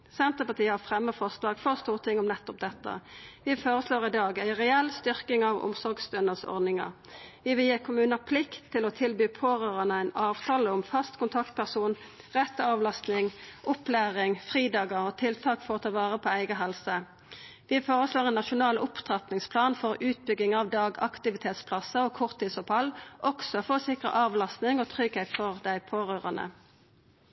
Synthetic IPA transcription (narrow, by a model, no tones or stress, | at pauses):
sɛnt̪ʁəpɑʁt̪ʰiːəhɑʁfʁɛmːəfɔʁslɑːɡ̥fɔʁst̪uːʁt̪ʰɪŋːʊmnɛt̪ːʊp̚d̪ɛt̪ːə̰ʋɪfoːʁəsloːʁɪd̪ɑːɡæɪʁɛɛlst̪ʏʁkɪŋɑʋʊ̰msɔɾɡsd̪œnəsɔ̰ʁd̪nɪŋə̰ʁ | ʋɪʋɪljiːkʰʊmʉːnəpʰlɪkt̪ʰːɪlɔt̪ʰɪlbyːpʰoːʁøːʁɑnəæɪnɑːʋt̪ʰɑːləʊmfɑst̪kʊnt̪ʰɑkt̪̚pʰæʁsuːnʁɛt̪ːəɑʋlɑst̪nɪŋʔʊplæːʁɪŋfʁiːd̪ɑːɡəʁɔːt̪ʰɪlt̪ʰɑːkfɔʁɔt̪ʰɑʋɑːʁəpʰoːæɪɡəɦɛlsə | ʋɪfoːʁəsloːʁɛnnɑʃʊnɑːlʊpt̪ʁɑt̪nɪŋspʰlɑːnfɔʁʉːt̪̚bʏɡɪŋɑːʋd̪ɑːɡɑ̰kt̪ɪʋɪt̪ʰeːt̪spʰlɑsəoːkʰʊʁt̪ʰːiːsʊphɑlːʔɔksɔfɔʁosɪkʁə̰ʔɑːʋlɑst̪nɪŋot̪ʰʁʏɡhet̪fɔʁd̪æɪpʰoːʁøːʁɑnə̰